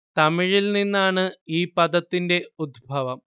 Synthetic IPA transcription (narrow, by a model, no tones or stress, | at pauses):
t̪ɐmiɻilninːaːɳɨiːpɐd̪ɐt̪ːinde̞ud̪ʱbʱɐʋɐm